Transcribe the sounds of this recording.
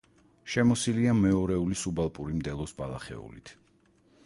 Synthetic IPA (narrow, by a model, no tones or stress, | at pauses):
ʃɛmɔsiliamɛɔɾɛulisubalˠpʼuɾimd̪ɛlˠɔsbalˠa̰χɛ̰ṵlḭt̪ʰ